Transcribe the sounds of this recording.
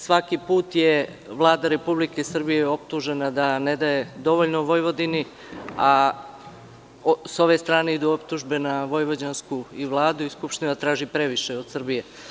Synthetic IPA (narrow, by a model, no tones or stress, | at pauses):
sʋakipuːt̪je | ʋlˠaːd̪aɾe̞publikesr̩bijeo̞p̚t̪uʒenad̪aned̪aje̞d̪o̞ʋoʎnoʋo̞jʋo̞d̪ini | a | so̞ʋe̞st̪ɾaːneid̪uopt̪uʒbe̞naʋo̞jʋo̞d͡ʑanskuiʋlˠaːd̪uiskupʃt̪inat̪ɾaːʒipɾeʋiʃeod̪̥sr̩bije